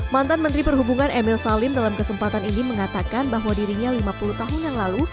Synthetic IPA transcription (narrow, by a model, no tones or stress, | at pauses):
mant̪anmənt̪ɾipərɦubuŋanɛmɪlsalɪmdalamkəsəmpat̪aniniməŋat̪akanbaɦwadiɾiɲalimapuluht̪aɦʊnjaŋlalu